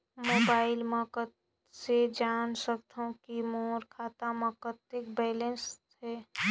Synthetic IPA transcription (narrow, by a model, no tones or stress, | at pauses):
mobaːɪlməkət̪ | sed͡ʒansək̚t̪ʰũkimoːɾkʰaːt̪aməkət̪ɪkbɛːlens | e